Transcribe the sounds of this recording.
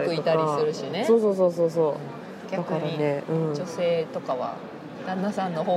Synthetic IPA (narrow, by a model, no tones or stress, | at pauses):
ɾikɯiot̪aɾisɨɾɯ̟ɕinesoːsoːs̬o̞ːs̬oːs̬oː | ɡ̥ʲḁakɯaɾane̞ɯ̟̃ɴd͡ʒo̞se̞ːt̪o̞kaβa̰ | d̪̥ãnːasãnːo̞ɦoː